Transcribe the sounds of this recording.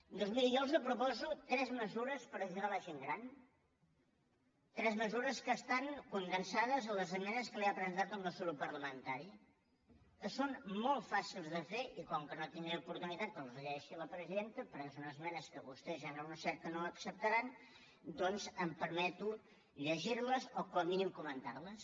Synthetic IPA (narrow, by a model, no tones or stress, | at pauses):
d̪ozmiljɔlˠzəpɾupɔzut̪ɾɛzməzuɾəspəɾðiθiɾaləʒeŋɡɾan | t̪ɾɛzməzuɾəskəst̪aŋkund̪ənsaðəzələzəmɛnəskəleaəpɾəənt̪at̪əmləsulupəɾləmənt̪aɾi | əsːonmɔlˠt̪fasilˠzðəfeʔikɔŋkənot̪iŋɡeupuɾt̪unit̪at̪̚k̪əlˠzəʎɛʃiləpɾəziðent̪əpəɾesonəzmɛnəskəβust̪ɛzaɾaunəsɛɾt̪ənoəksəp̚t̪əɾan | d̪ɔnzəmpəɾmɛt̪u | ʎəʒiɾləzokɔminimkumənt̪aɾləs